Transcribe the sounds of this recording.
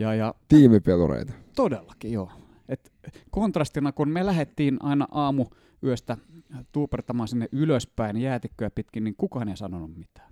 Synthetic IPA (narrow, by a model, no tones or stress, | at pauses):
jɑːjɑt̪iːmipelo̰rḛit̪ɑ̥t̪odelːɑkijoː | et̪ | kont̪rɑst̪inɑkunmelæhet̪ːiːnʔɑinɑ̰ʔɑːmu | yøst̪æt̪uːpert̪ɑmɑːnsinːeʔyløspæinjæːt̪ikːøjæpit̪kinniŋkukɑːneisɑnonummit̪æ̥ː